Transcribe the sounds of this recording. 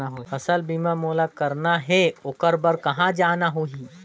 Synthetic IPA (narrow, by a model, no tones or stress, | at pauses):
aɦofɐsəlbiːmamoːlakɐɾnaɦɛʊkəɾbəɾkɐɦãd͡ʒaːnaɦoːɦiː